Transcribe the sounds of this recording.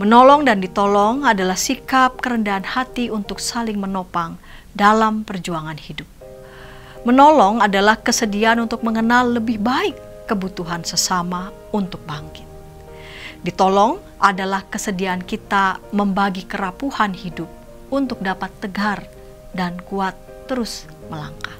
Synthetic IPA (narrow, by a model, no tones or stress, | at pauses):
mənolɔŋdandit̪olɔŋadalahsikap̚kəɾəndaːnhat̪iunt̪ʊksalɪŋmənopaŋ | dalampərd͡ʒuaŋanhidʊp̚ | mənolɔŋadalahkəsədianunt̪ʊk̚məŋənalːəbɪhbaɪkːəbut̪uɦansəsama | unt̪ʊk̚baŋkɪ̥t̪̚ | dit̪olɔŋ | ʔadalahkəsədiaːnkit̪aməmbaɡikəɾapuhanhidʊp̚ | unt̪ʊk̚dapat̪ːəɡar | dankuat̪ːəɾʊs | məlaŋkḁ